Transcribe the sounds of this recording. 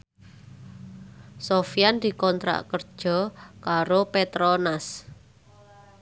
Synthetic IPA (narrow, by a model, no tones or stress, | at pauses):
sofijand̪̥i̤kɔnt̪ɾa̰ʔkərd̥ʒ̥ɔ̤kaɾopet̪ɾɔnas